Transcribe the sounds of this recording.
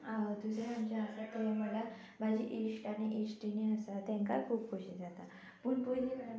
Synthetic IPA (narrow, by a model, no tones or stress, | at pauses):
aəd̪usɾemamt͡ɕaəsat̪əjaməla | bʱad͡ʑiʔesʈaɽ̃iʔesʈiniəsat̪ɛ̃ŋka̰kʰuːp̚kʰuɕid͡zat̪a | pəɳpojlikə